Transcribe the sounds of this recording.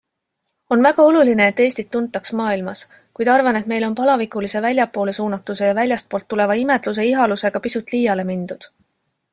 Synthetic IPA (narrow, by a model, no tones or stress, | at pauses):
o̞nvæɡ̥ɑo̞luline̞ːt̪ːeːsʲt̪it̪ːunt̪ːˑɑksmɑːilmɑs | kujd̪ɑrvɑne̞t̪me̞jlo̞npɑlɑvikˑulise̞vælʲjɑpːˑo̞ːle̞suːnɑt̪ːˑuse̞jɑvælʲjɑst̪̚po̞ːlt̪ːule̞vɑime̞d̪lus̬e̞iɦɑluse̞ɡ̥ɑpisut̪ˑliːjɑle̞mind̪̥ud̪̥